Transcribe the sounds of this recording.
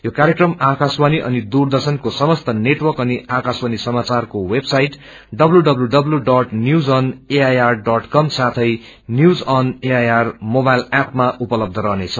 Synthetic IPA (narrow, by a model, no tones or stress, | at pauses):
jokaɾjekrʌmakaswaniʔʌ̰nid̪urd̪ʌrsʌnkosʌmʌst̪ʌneʈwʌrkʌniakaswanisʌmat͡sarkowebsajʈ | ɖʌbluɖʌbluɖʌbluɖʌʈnjud͡zʌneajarɖʌʈkʌmsat̪ʰʌj | njud͡zʌneajarmobajlapmaʔupʌlʌb̚d̪ʱʌɾʌɦnet͡sʰʌ